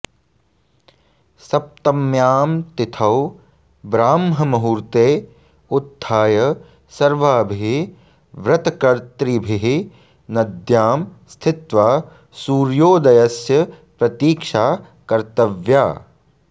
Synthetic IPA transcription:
sɐp̚t̪ɐmjaːmt̪ɪt̪ʰɐw | bɾaːmɦɐmɐɦuɾt̪eː | ʊd̪ʱːaːjɐ | sɐɾʋaːbʱiɦi | ʋɾɐt̪ɐkɐɾt̪ɾibʱiɦi | nɐd̪jaːmst̪ʰɪt̪ʋaː | suːɾjoːd̪ɐjɐsjɐ | pɾɐt̪iːkʃaː | kɐɾt̪ɐʋjaː

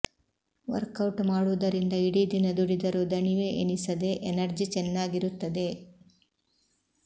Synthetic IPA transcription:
ʋɐ̰ɾkɐwʈmaːɽud̪ɐɾind̪ɐiɽid̪inɐd̪uɽid̪ɐɾud̪ɐɳiʋeʔeɳisɐd̪e̞ʔenɐɾd͡ʒit͡ʃɛnːaːɡiɾut̪ːɐd̪e̞

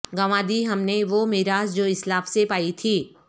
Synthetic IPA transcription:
ɡɐʋãːd̪iɦɐmneʋomɪɦɾaːzd͡ʒoːɪslaːfsepaːit̪ʰiː

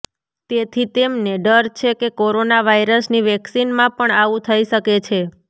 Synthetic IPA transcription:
t̪et̪ʰit̪emneɖəɾt͡ʃʰekekoɾonaʋaiɾəsniʋɛksinmãpəɳaʋũt̪ʰəiʃəket͡ʃʰe

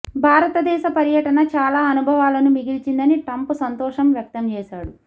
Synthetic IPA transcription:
bʱaːɾɐt̪ɐd̪ɛːʃɐpɐɾjɐʈɐnɐt͡ʃaːlaːɐnubʱɐʋaːlɐnumiɡilt͡ʃind̪ɐniʈɐmpusɐnt̪ɔːʂɐmʋjɐk̚t̪ɐmt͡ʃɛːʃaːɽu

